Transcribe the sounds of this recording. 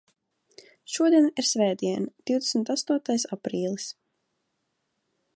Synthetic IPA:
ʃuɔd̪iɛniɾsʲvɛːd̪iɛnad̪̥iwd̪esmt̪ast̪uɔt̪ajsapɾiːlˠis

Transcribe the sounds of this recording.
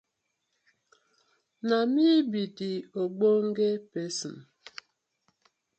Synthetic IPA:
namibidioɡ͡boŋ̩ɡepesin

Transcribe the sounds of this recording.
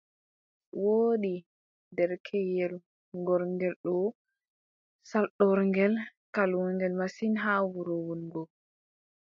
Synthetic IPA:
woːɗi | dɛɾkʰɛjɛl | ŋɡɔɾŋɡɛlɗɔ | salɗɔɾŋɡɛlkaluɾŋɡɛlmasinɦawuɾɔwɔnɡɔ

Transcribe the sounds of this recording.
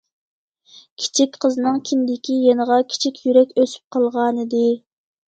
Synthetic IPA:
kʲʰi̥t͡ʃʰikʲqʰəznɨŋkʲʰind̪ɪkʲijenəʁɑkʲʰi̥t͡ʃʰikʲjyɾɛkʲøsy̥p̚qʰəlˠʁɑːnɨd̪ɨ

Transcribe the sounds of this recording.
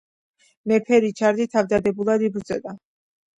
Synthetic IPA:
mɛpʰɛɾit͡ʃʰaɾd̪it̪ʰavd̪ad̪ɛbulˠad̪ibɾd̪zʼɔd̪a

